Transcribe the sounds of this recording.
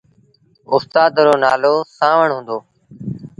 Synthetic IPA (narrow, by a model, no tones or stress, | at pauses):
ʊst̪aːd̪ɾoːnaːloːsãːʋəɳɦõːnd̪oː